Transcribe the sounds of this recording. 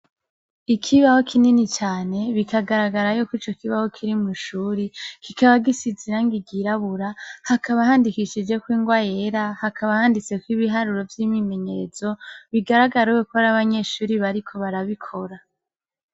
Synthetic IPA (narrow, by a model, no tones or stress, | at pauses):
ikʰiβaho̞kʰininit͡ʃaːne̞βikʰaɡaɾaɡaɾajokwit͡ʃo̞kiβaho̞kʰiɾimuʃuːɾikikaβaɡisiziɾaŋɡiɡiɾaβuɾahakaβaɦaːndikiʃid͡ʒe̞kwiːŋɡwajeɾahakʰaβahaːndit͡se̞kwiβiɦaɾuɾo̞vjimime̞ɲe̞ɾez̥o̞βiɡaɾaɡaɾuwekoɾaβaɲe̞ʃuːɾiβaɾikʰo̞βaɾaβikʰo̞ɾa